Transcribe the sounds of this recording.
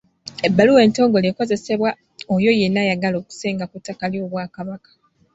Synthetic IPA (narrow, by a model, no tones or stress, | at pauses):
e̞bːaluwe̞ːnto̞ːŋɡo̞leːko̞ze̞se̞βwa | ojo̞je̞nːajaɡalo̞ːku̥se̞ːŋɡakutːakaljo̞ːβwaːkaβakḁ